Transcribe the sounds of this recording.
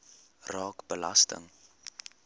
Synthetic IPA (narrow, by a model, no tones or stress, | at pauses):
rɑːkbəlɐ̰stə̰ŋ